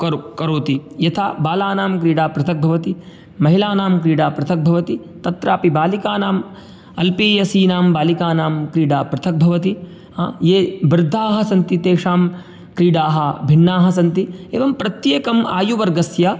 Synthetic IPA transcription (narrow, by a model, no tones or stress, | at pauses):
kɐɾkɐɾoːt̪ijɐt̪ʰaːbaːlaːnaːmkɾiːɽaːpɾɐt̪ʰɐk̚bʱɐʋɐt̪i | mɐɦilaːnaːmkɾiːɖaːpɾɐt̪ʰɐk̚bʱɐʋɐt̪i | t̪ɐt̪ɾaːpibaːlikaːnaːm | ɐlpiːjɐsiːnaːmbaːlikaːnaːmkɾiːɖaːpɾɐt̪ʰɐk̚bʱɐʋɐt̪i | ajeːbɾɪd̪ʱːaːɦɐsɐnt̪it̪eːʂaːm | kɾiːɖaːɦɐbʱiɳːaːɦɐsɐnt̪ieːʋɐmpɾɐt̪jeːkɐma̰ːjuʋɐɾɡɐsjɐ